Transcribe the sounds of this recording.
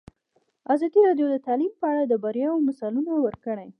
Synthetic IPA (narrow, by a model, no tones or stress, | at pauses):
azɑd̪iɾɑɖjod̪ət̪ɑlimpəaɽad̪əbaɾjɑwomasɑlunawəɾkəɽaj